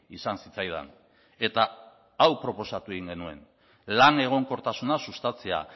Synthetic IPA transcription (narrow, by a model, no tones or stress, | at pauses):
isansit͡sajða̰n | e̞t̪a | awpɾo̞po̞sat̪ue̞ɣiŋɡe̞nue̞n | lane̞ɣ̞o̞ŋko̞ɾt̪asunasust̪at͡se̞a̰